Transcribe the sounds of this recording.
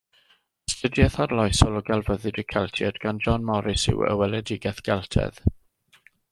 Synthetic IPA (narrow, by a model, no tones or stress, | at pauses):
stədjɛθarlˠɔjsɔlˠɔɡalˠvəðɨdəkʰɛlˠtʰɛ̰dɡand͡ʒɔnmɔɾɪsɪ̰wə̰wɛlɛdɪɡɛθɡ̥ɛlˠtʰɛ̰ð